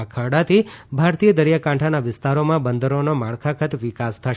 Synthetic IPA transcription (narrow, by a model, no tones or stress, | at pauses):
akʰəɽat̪ʰibʱaɾt̪ijəd̪əɾjakãɳʈʰanaʋɪst̪aɾomãbənd̪əɾonomaɭkʰakʰət̪ʋɪkast̪ʰəʃ